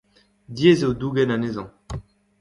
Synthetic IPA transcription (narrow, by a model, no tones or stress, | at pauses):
djezewduɡɛnanezɑ̃